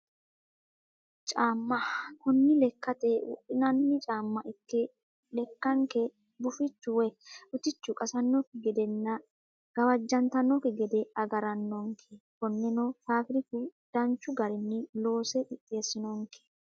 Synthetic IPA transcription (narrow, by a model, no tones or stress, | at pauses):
t͡ʃʼaːmːɐkʊnːɪlɛkːɐt̪ɛwɔ̰ʔɪnɐnːɪt͡ʃʼaːmːɐʔɪkːɛ | lɛkːɐŋkɛ | bʊfɪt͡ʃːʊwɛʊt̪ɪt͡ʃːʊkʼɐsɐnːɔkɪɡɛd̪ɛnːɐ | ɡ̥ɐwɐd͡ʒːɐnt̪ɐnːɔkɪɡɛd̪ɛɐɡɐɾɐnːɔŋkʰɛkɔnːɛnɔfaːfɾɪkʊd̪̥ɐnt͡ʃːʊɡɐɾɪnːɪlo̞ːsɛᶑɪt̪ʼːeːsːɪnɔŋkɛ̥